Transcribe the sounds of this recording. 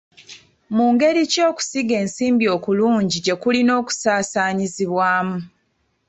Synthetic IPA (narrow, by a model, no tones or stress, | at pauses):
muːŋɡe̞ɾico̞ːku̥siɡe̞ːnsiːmbio̞ːkuluːɲɟiɟe̞kulino̞ːku̥saːsaːɲiziβwaːmu